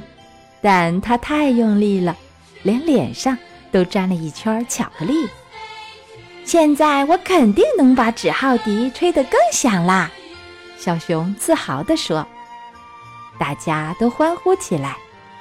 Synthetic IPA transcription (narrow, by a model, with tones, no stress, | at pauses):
t̪a˥˩nt̪ʰa˥t̪ʰa˥˧ɪjʊ˥˧ŋli˥˩lə˩ | ljɛ˧˥nljɛ̰˨˩nʂɑ˥˧ŋt̪o˥ʊʈ͡ʂa˥˩nlə˩i˥˩t͡ɕʰja˥t͡ɕʰjɑ˨˩ʊɡ̥ə˦li˥˩ | ɕjɛ˥˧nt͡sa˥˩ɪwɔ˧˥kʰə˨˩nt̪i˥˩ŋnɤ˧˥ŋpa˧˥ʈ͡ʂɻ̩˨˩xɑ˥˩ʊt̪i˧˥ʈ͡ʂʰwe˥ɪd̪ə˨kɤ˥˧ŋɕjɑ˨˩ŋlə˧ | ɕjɑ˨˧˩ʊɕjʊ˧˥ŋt͡sʰɹ̩˥˩xɑ˨˩˦ʊd̪ə˧ʂwɔ˥ | t̪a˥˩t͡ɕja˥t̪o˥ʊxwa˥nxu˥t͡ɕʰi˨˩la˧˥ɪ